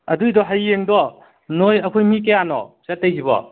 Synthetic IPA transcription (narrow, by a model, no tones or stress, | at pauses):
ɐ̰dujdɔɦajːeŋdɔ | nojɐkʰojmik̬ejanɔ̰set̚ːejɦibɔ̰